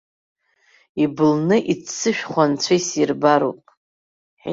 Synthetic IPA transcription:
ibɨlnɨʔit͡st͡sːɨʃᶣχʷant͡sʷʰaisirbaɾṵpʼ

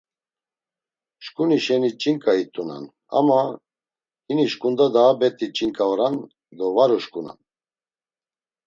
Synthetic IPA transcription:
ʃkʼuniʃɛnit͡ʃʼinkʼait̪ʼuna̰n | a̰ma | hiniʃkʼund̪ad̪aːbɛt̪ʼit͡ʃʼiŋkʼaɔɾan | d̪ɔvaɾɔʃkʼuna̰n

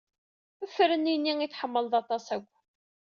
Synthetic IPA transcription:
əfːɾəninːiŋiθħəmːəlðˤɑt̪ˤɑsæɡʷː

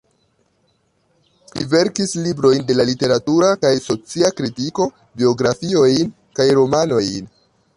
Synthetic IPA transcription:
lḭve̞ɾkislibɾo̞jnde̞lalite̞ɾatuɾakajso̞t͡siakɾitiko̞ | bio̞ɡɾafio̞jn | kajɾo̞mano̞jn

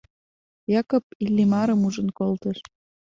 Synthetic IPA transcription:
jɑkop̚ilʲːimɑɾəmuʒənkolt̪əʃ

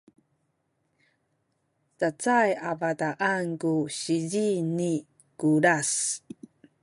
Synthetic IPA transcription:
t͡sat͡sajavataʔankuɕizini | kuɾas

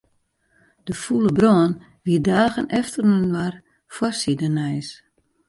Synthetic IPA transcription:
d̥əfuləbrɔːn | ʋiədaːɣənʔɛftərnənwar | fwɔrsidənɛjs

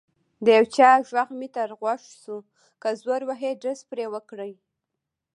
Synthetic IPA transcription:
d̪əjawt͡ʃɑʒwaxmit̪aɾɣwaʂsu | kazwaɾwaɦeɖəspɾewəkɽəj

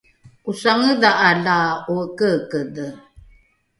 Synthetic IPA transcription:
usaŋəðaʔalauəkəkədə

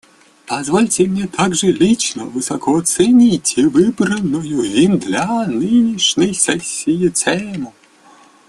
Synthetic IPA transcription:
pɐzvɔlʲtʲɪmnʲɛt̪ʰaɡʐɨlʲit͡ɕnə̰vɨsɐkʰɔɐt̪sɛnʲitʲivɨbɾənːʊjʊimd̪lʲanɨnʲiʂnʲəjsɛsʲːijɪt̪sɛmʊ

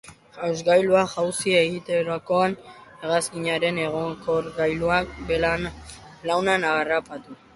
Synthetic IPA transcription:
awzɡajluaʝawsieɣit̪eɾako̞ane̞ɣaskiɲaɾe̞ne̞ɣ̞oŋkoɾɡajluakbelan | lawnanaɣrapat̪u

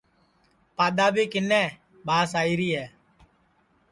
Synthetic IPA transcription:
paːɗ̪aːbʱiːkɪnɛ̃ː | bʱaːsaːiːɾiːɦɛː

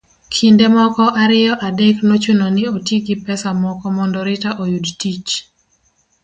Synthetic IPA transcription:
kʰindemɔkɔʔaɾɪjɔʔadeknot͡ʃunonɪotiɡɪpɛsamɔkɔmɔndɔɾɪtaʔojudtit͡ʃ

